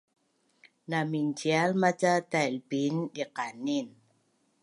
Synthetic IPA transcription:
namint͡ʃialmat͡ʃat̪albindiqanin

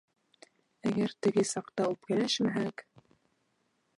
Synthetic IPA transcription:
æɡæɾt̪ɘ̆ɡɘsɑqt̪ɑupkɘ̆læʃmæɦæk

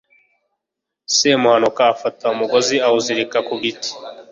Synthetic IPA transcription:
semuhanukaːfataumuɡoziauziɾikakuɡiti̥

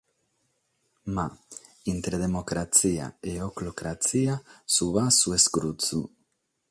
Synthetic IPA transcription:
ma | int̪ɾeðemokɾat͡sia̰eoklokɾat͡siasuβasueskɾut͡su

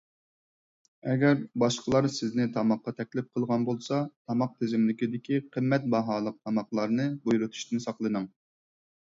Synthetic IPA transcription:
ɛɡʲɛɾbɑʃqʰəlˠɑɾsɪznɪt̪ʰɑmɑqːɑt̪ʰɛkʲlɪp̚qʰəlˠʁɑnbolˠsɑt̪ʰɑmɑq̚t̪ʰɪzɪmlɪkʲid̪ɪkʲʰiqʰəmːɛt̪̚bɑɦɑːlˠəq̚t̪ʰɑmɑqlˠɑɾnɨbujɾut̪ʰu̥ʃt̪ʰɪnsɑqlˠɨnɨŋ

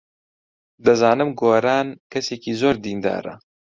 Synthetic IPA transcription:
d̪ɐzaːnɨmɡoːɾaːnkɐseːkizoːɾd̪iːnd̪a̰ːɾɐ̰

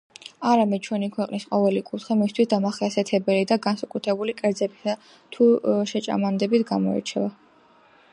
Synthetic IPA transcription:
aɾamɛd̪̚t͡ʃʰwɛnikʰwɛqʼnisqʼɔvɛlikʼut̪ʰχimist̪ʰwisd̪amaχiasɛt̪ʰɛbɛlid̪aɡansakʼut̪ʰɾɛbulikʼɛɾd̪zɛbia | t̪ʰuʃɛt͡ʃʼa̰mand̪ɛbit̪ʰɡamɔɛ̰t͡ʃʰɛva

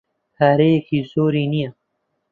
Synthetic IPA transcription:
haːɾeːkʰiːsoːɾiːnija

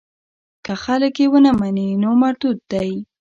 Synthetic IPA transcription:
kəxaləkjewənəmaninomaɾt̪ud̪̚d̪aj

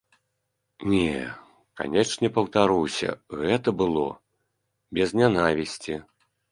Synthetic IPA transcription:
nʲɛ | ka̰nʲɛʂnʲɛpɐwt̪aɾuwsʲɐ̰ɣɛt̪ɐbɨlˠɔ̰ | bʲɛznʲanavʲisʲt͡sʲi

